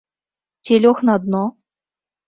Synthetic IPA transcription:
tʲelʲoχnɑd̪no

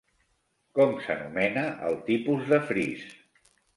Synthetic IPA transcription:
kɔmsənumɛnəʔəlˠt̪ipuzðəfɾis

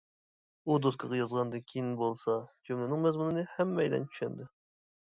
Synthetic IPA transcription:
ud̪oskʰɑʁɑjɑzʁɑnd̪ɨkʲʰijinbolˠsɑd͡ʒʰømlɪnɨŋmɛzmunɨnɨhɛmːɛjd̪ɛ̰nt͡ʃʰy̥ʃɛ̰nd̪ɪ

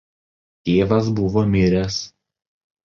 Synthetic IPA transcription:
t̪ʲeːʋɐs̬bʊʋoːmʲɪɾʲɛs

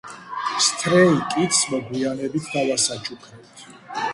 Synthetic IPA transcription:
st̪ʰɾɛlikʼit̪ʰsmɔɡwianɛbit̪ʰd̪alasat͡ʃʰukʰɛpt̪ʰ

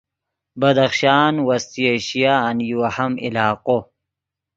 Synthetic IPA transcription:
bɐd̪ɐxʃaːnwɐst̪ieɕijaːnjuwɐhɐmḭlaːqo

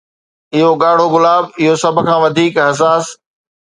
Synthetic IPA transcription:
ɪɦoɠaːɽ̤oɣʊlaːbɪɦosɐbʱkʰãːʋɐd̪ʱiːkɪɦs̬aːs

